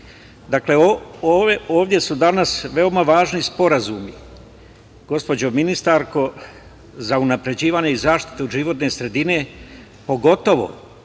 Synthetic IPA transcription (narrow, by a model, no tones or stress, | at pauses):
d̪akle̞ooeoːʋd̪je̞sud̪anasʋe̞o̞maʋaːʒnispo̞ɾazumi | ɡ̥o̞spo̞d͡ʑo̞minist̪aɾko̞ | zaunapɾe̞d͡ʑiːʋaːɲeizaːʃt̪i̥t̪eoʒiʋo̞t̪ne̞ːsɾe̞d̪ine̞ | po̞ɡo̞t̪o̞ʋo̞̰